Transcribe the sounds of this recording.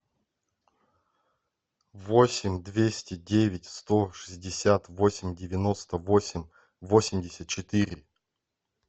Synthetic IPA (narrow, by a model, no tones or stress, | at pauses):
vosʲɪmʲd̪vʲesʲtʲɪdʲevʲɪtʲst̪oʂɨzʲdʲɪsʲat̪vosʲɪmʲdʲɪvʲɪno̞st̪əvosʲɪmʲ | vosʲɪmʲdʲɪsʲət̪̚t͡ɕɪt̪ɨɾʲɪ